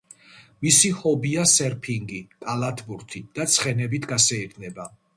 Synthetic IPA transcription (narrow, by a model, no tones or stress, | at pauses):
misihɔbiasɛɾpʰiŋɡit̪ʼalˠat̪ʰbuɾt̪ʰid̪̥at̪sʰχɛnɛbit̪ʰɡasɛiɾnɛba